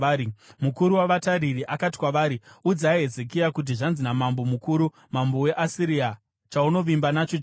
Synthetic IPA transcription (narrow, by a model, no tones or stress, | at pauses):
imukuɾuwaʋataɾiriʔakati̥kwaʋaːɾiud͡zaɦe̞zek̬ijakut̬iʐanzinamambo̞mukuːɾu | mambowe̞ʔasiɾia | t͡ʃauno̞ʋimbanat͡ʃot͡ʃ